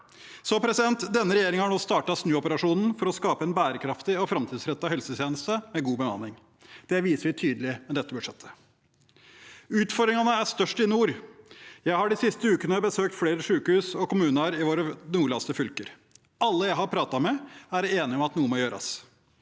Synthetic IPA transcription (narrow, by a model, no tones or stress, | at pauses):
sɔpʰɾɛsɪd̪ɛnt̪d̪ɛnːəɾɛjeːɾɪŋhɑɳoːst̪ɑːʈɑsnʉːɔpəɾɑʂuːnn̩fɔɾɔskɑːpəɛnbæːɾəkʰɾɑft̪ɪɔfɾɑmt̪ʰiːd̪sɾɛt̪ːɑɦɛlsət̪ʰjeːnəst̪əmɛɡuːbəmɑ̰nɪŋ | d̪̥ɛʋiːsəʋɪt̪ʰyːd̪əlɪmɛd̪ɛt̪ːəbʉʂɛt̪ʰːə̥ | ʉːt̪fɔɾd̪ɾɪŋɑnəæʂt̪œʂʈɪnuːɾ | jæɪhɑɖɪsɪst̪əʉːkənəbəsøːk̚t̪fleːɾəʂʉːkhʉːsɔkʊmʉːnəɾɪʋoːɾənuːɭɑst̪əfʏlkəɾ | ɑlːəjæɪhɑɾpʰɾɑːt̪ɑmɛæɾeːnɪɔmɑt̪nuːəmɔjøːɾɑ̰s